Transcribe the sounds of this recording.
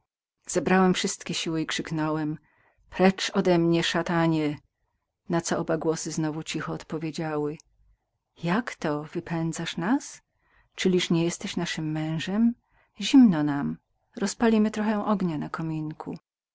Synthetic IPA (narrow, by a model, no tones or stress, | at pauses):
z̥ɛbɾawɛmfʂɘst̪kʲɛɕiwɘikʂɘknɔwɛm | pɾɛt͡ʂɔd̪ɛmɲɛʂat̪aɲɛ | nat̪sɔʔɔbaɡwɔsɘznɔvut͡ɕixɔːt̪pɔvʲjed͡ʑawɘ | jakt̪ɔvɘpʰɛnd̪zaʂnas | t͡ʂɘlʲiʂɲɛjɛst̪ɛɕnaʂɘmːɛ̃w̃ʐɛm | ʑimnɔnam | ɾɔspalʲimɘt̪ɾɔxɛ̃ʔɔɡɲanakɔmʲiŋkʰṵ